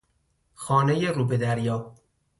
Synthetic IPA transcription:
xɒːnejeɾuːbed̪æɾjɒː

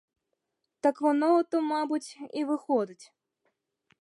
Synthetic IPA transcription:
t̪akvɔnɔt̪ɔmabut͡sʲivɨxɔd̪ɨt͡sʲ

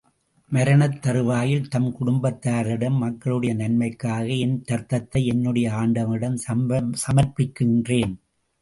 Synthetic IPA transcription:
mɐɾɐnɐt̪ːɐɾɯʋaːjɪlt̪ɐmkʊɽʊmbɐt̪ːaːɾɪɽɐmːɐkːɐɭɯɽɐjɐnɐnmɐɪkːaːɣɐɪnt̪ɐɾt̪ɐt̪ːɐɪɛnːɯɽɐjɐaːɳɖɐmɪɽɐmsɐmɐɾpɪkːɪndreːn

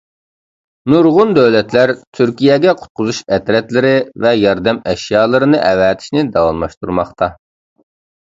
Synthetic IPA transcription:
nuɾʁʊnd̪øwlɛt̪læɾt̪ʰyɾkʲijɛɡʲɛqʰʊ̥t̪̚qʰʊzuʃɛt̪ɾɛt̪lɪɾɪvɛjɑɾd̪ɛmɛʃjɑːlˠɨɾɨnɨʔɛwɛːt̪ʰɪ̥ʃnɪd̪ɑwɑmlˠɑʃt̪uɾmɑχt̪ʰɑ

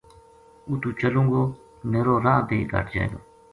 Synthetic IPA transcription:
uːt̪ũːt͡ʃəlũːŋɡoː | meːɾoːɾãːb̪ʱḛːɡʱa̰ːʈʰd͡ʒã̰ːd̪oː

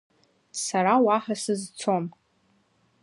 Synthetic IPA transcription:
saɾawaħasɨzt͡sʰo̞m

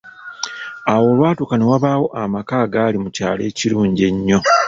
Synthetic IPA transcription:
awo̞lwaːtokanewaβaːwo̞ʔamakaːɡaːlimucaːle̞ːciɾuːɲɟe̞ɲːo̞

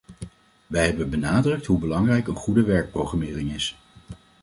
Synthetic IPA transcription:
ʋɛjɦɛbənbənaːdrɵk̚tɦubəlɑŋrɛjkənχudəʋɛɹk̚prowχramɪːrɪŋɪs

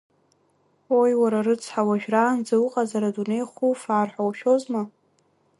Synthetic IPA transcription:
wo̞jwaɾarɨt͡sʰħawaʒᶣrand͡zawuqʼazaɾadune̞jχʷufaːrħʷawʃo̞zma

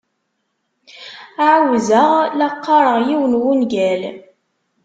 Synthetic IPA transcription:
ʕawzəʁlɑqːɑɾˤəʁjiwənwunɡæl

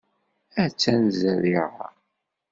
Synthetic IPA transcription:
æt͡sːænzæðiʁa̰

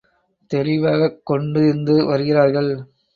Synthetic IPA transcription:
t̪ɛɾɪʋaːɣɐkːɔɳɖɯɪnd̪ɯʋɐɾɯɣɪraːɾɣɐɭ

